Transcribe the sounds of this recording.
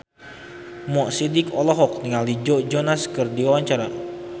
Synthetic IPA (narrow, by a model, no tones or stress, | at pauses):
mɔʔsidikɔlɔɦɔk̚niŋaldid͡ʒɔʔd͡ʒɔnaskɨrdiwawaɲt͡ʃaɾa